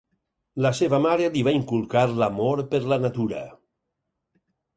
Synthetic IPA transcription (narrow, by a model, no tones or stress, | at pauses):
laseβamaɾeliβaiŋkulˠkaɾlamoɾpəɾlanat̪uɾə̰